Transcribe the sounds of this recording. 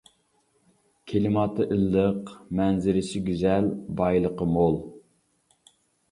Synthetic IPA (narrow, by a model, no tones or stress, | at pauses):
kʲʰelɪmɑːt̪ʰɨʔilːəqmɛnzɪɾɪsɪɡʲyzɛlbɑjlˠəqəmolˠ